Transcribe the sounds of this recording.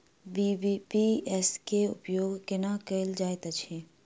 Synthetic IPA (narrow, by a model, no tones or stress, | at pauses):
bibipiɛskeʊ̰pjoːɡkɪnakəild͡ʒaːet̪ət͡ʃʰe